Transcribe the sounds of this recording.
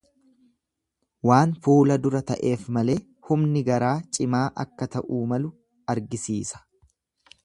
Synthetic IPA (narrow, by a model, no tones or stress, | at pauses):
waːnfuːlɐd̪ʊɾɐt̪ɐʔe̞ːfmɐle̞ː | hʊmnɪɡɐɾaːt͡ʃʼɪmaːʔɐ̰kːɐt̪ɐʔuːmɐlʊ | ɐɾɡɪsiːsɐ̥